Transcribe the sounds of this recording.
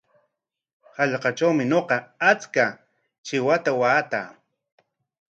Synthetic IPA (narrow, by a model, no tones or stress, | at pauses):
hɑʎqɑʈ͡ʂawmɪɲoqɑat͡ska | t͡ʃɪwat̪awaːt̪a̰ː